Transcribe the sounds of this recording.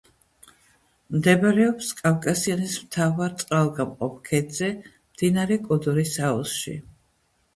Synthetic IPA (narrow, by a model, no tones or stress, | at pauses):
md̪ɛbaɾɛɔpskʼavkʼasianismt̪ʰavaɾt̪sʼqʼalˠɡamqʼɔp̚ʰkʰɛd̪zɛ | md̪̥inaɾɛkʼɔd̪ɔɾisaɔsʃḭ